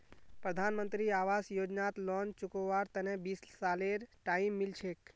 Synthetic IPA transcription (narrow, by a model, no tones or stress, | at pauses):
pɾəd̪ʱanmənt̪ɾiaʋasjod͡ʒnat̪lɔnt͡ʃukoʋaɾt̪ənebissaleɾʈaimːilt͡ʃʰek